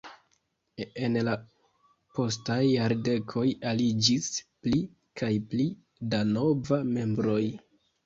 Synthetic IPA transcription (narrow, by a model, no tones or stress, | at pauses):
e̞nla | po̞stajːaɾde̞kʰo̞jalid͡ʒispli | kʰajpli | dano̞vame̞mbɾo̞j